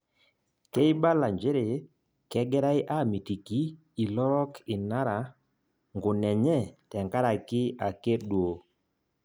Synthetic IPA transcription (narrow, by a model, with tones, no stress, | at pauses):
ke˦ɪ˦ba˦la˨ɲd͡ʒe˦ɾe˨ | kɛ˦ɡɛ˦ɾa˦ɪ˦ʔa˦˨mi˨ti˨kiː˨˦˨ | lɔ˦ɾɔ˦kʰɪ˨na˦ɾa˨ | ŋɡʊ˨nɛ˨ɲɛ˦tɛ˨ŋka˦ɾa˨kɪ˦a˨ke˦ɗwo˨